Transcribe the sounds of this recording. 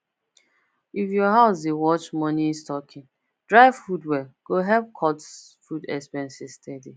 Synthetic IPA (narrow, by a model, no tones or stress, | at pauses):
ifjɔɦaʊs̬ewɔt͡ʃmɔnistɔkʰɪ̃ŋ | d̥ɹaɪvfudwɛɡ̥oɦɛlp̚kʰɔts | fudɛkspɛ̃nsistʰɛdi